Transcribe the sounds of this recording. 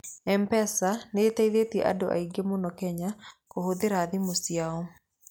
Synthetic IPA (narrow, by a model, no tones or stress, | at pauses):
ɛmpɛsaneːtaiðetiɛʔa̰doʔa̰iɡemonɔkɛɲakohoðeɾaðimosjaɔ